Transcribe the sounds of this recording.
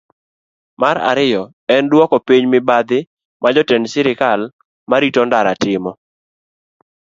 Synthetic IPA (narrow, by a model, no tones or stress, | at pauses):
maɾa̰ɾɪjɔ | ɛndwɔkɔpiɲmɪbad̪ɪ | mad͡ʒɔtɛnsɪɾɪkal | maɾitɔndaɾatɪmɔ